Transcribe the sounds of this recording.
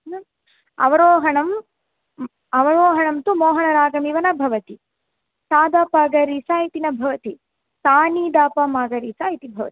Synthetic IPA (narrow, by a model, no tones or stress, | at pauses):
ɐ̰ʋɐɾoːɦɐɳɐm | ɐʋɐɾoːɦɐɳɐmt̪umɔːɦɐɳɐɾaːɡɐmiʋɐnɐbʱɐʋɐt̪i | t̪aːd̪aːpɐɡɐɾisaːjit̪inɐbʱɐʋɐt̪i | t̪aːniːd̪aːpɐmaːɡɐɾisaːit̪ibʱɐʋɐ̰t̪i̥